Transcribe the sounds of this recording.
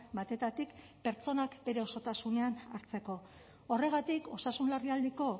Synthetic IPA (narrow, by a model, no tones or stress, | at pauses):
bat̪e̞t̪at̪ik | pe̞ɾt͡so̞nakbe̞ɾe̞o̞so̞t̪asune̞anaɾt͡se̞ko̞ː | re̞ɣ̞at̪iko̞sasunlariald̪eko̞